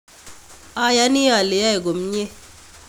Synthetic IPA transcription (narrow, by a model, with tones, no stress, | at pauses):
a˦ja˦ni˦a˨le˨ja˦e˨ɡo˨m˦ɲe˦